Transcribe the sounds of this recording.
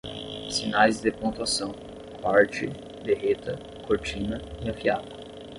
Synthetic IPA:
sinajzd̪epõt̪uasɐ̃w̃ | paɾt͡ʃɪ | d̪eɦet̪ɐ | koɾt͡ʃĩnɐiɐfiad̪ɐ

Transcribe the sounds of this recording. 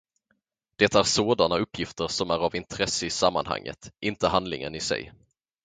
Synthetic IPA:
d̪̥ɛt̪ːaæːɾsoːd̪anaɵpːjɪft̪əɾʂɔmæɾavɪnt̪ʰɾɛsːəɪsamːa̰nha̰ŋːə̰t̪ʔɪnt̪əɦand̪lɪ̰ŋə̰nɪsɛ̰j

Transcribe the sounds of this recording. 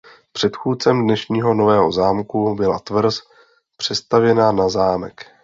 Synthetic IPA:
pr̝̥ɛt̪xuːt̪̚t͡sɛmdnɛʃɲiːɦo̞no̞vɛːɦo̞zaːmkubɪla̰t̪vr̩s | pr̝̥ɛst̪avjɛnanazaːmɛ̰k

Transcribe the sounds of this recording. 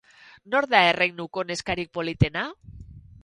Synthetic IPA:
noɾðaerejnukone̞skaɾik̚polit̪ena

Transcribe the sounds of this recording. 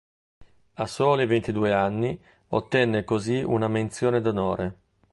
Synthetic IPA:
asːoːlivent̪id̪uːeanːi | ot̪ːɛnːekoziunament̪sjoːned̪onoːɾe

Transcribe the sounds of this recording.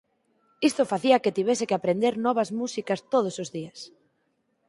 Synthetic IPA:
ist̪ofaθiɐket̪iβesɪkɪapɾend̪eɾnɔβ̞ɐszmusikɐst̪oð̞ʊsozðiɐs

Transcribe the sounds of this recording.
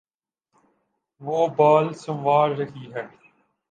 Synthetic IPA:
ʋoːbaːlsəmʋaːɾːɐɦiːɦɛː

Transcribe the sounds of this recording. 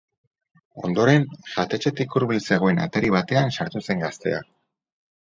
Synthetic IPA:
o̞nd̪o̞ɾe̞nʝat̪e̞t͡ʃe̞t̪ikuɾβilse̞ɣ̞o̞e̞na̰t̪eɾiβat̪e̞ansaɾt̪use̞ŋɡast̪e̞̰a̰

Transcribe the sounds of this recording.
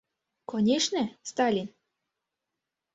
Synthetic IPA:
konʲeʃnest̪ɑlʲin

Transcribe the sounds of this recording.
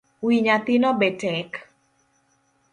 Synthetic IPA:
wiɲat̪inɔbɛtɛk

